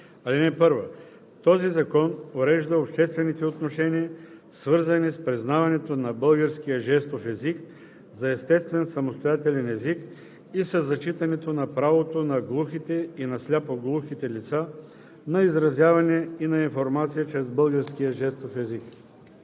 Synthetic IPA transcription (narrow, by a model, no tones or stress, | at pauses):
ɐlinɛpɤɾvo | t̪ɔzizɐkɔnoɾɛʒd̪əopʃt̪ɛst̪vɛnit̪ɛot̪noʃɛniəsvɤɾzɐnispɾiznavɐnɛt̪onɐbɤlˠɡəɾsk̟ijəʒɛst̪ofɛzik̚ | zɐɛst̪ɛst̪vɛnsɐmost̪ojat̪ɛlʲɛnɛzik | isəzːɐt͡ʃit̪ɐnɛt̪onɐpɾavot̪onɐɡlˠuxit̪ɛinɐslʲapoɡlˠuxit̪ɛlit̪sa | nɐizɾɐzʲjavɐnɛinɐinfoɾmat̪sijət͡ʃɾɛzbɤlˠɡəɾskijəʒɛst̪ofɛzik